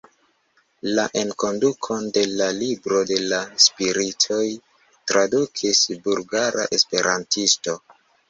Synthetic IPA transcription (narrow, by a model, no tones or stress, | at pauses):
laʔe̞nko̞ndukʰo̞nde̞lalibɾo̞de̞laspiɾitʰo̞j | tɾadukʰisbulɡaɾa̰ʔe̞spe̞ɾʔantisto̞